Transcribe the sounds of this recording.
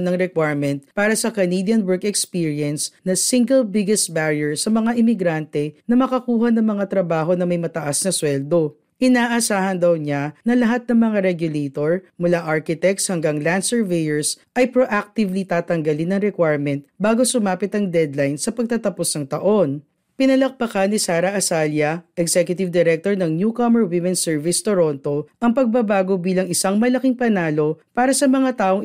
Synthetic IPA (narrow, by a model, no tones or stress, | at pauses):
nɐŋɾɛkwajɹmɛnt̪̚paːɾɐsɐkɐnid̪jɐnwɛɹkɛkspiːɹjɛnsnɐsiŋɡɛlbɪɡɛst̪̚baɹjɛɹsɐmɐŋaʔɪmɪɡɾant̪ɛnɐmɐkɐkuːɦɐnɐŋmɐŋat̪ɾɐbaːɦo̞nɐmɐjmɐt̪ɐʔasnɐswɛld̪o̞ | ʔɪnaːʔɐsaːhɐnd̪ɐwɲanɐlɐɦat̪̚nɐŋmɐŋaɾɛɡjʊlejt̪oɹmʊlaʔaɹkɪt̪ɛk̚shɐŋɡaŋland̪sɛɹvejɛɹs | ʔɐjpɾoʔak̚t̪ɪvlit̪aːt̪ɐŋɡɐlinːɐŋɾɛkwajɹmɛnt̪̚baːɡo̞sʊmaːpɪt̪ɐŋd̪ɛd̪lajnsɐpɐɡ̚t̪ɐt̪ɐposnɐŋt̪ɐʔo̞n | pɪnɐlɐk̚pɐkanisaːɾɐʔɐsaljɐʔɛɡsɛkjʊt̪ɪvd̪ɛɾɛk̚t̪oɹnɐŋnjukɐmɛɹwimɛ̃nsɛɹvɪst̪oɾo̞nt̪o̞ʔɐŋpɐɡ̚bɐbaːɡo̞biːlɐŋɪsaŋmɐlɐkiŋpɐnaːlo̞paːɾɐsɐmɐŋat̪aːʔoŋ